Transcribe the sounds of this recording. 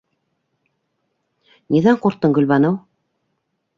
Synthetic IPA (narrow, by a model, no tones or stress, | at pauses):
niðɑɴquɾt̪ːɤŋɡɵ̆lβɑnɤw